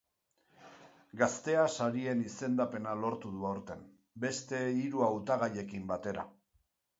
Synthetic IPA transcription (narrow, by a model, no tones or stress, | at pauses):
ɡast̪e̞asaɾie̞nise̞nd̪ape̞nalo̞ɾt̪uðuawɾt̪e̞m | be̞st̪e̞iɾuawt̪aɣ̞aje̞kimbat̪e̞ɾa̰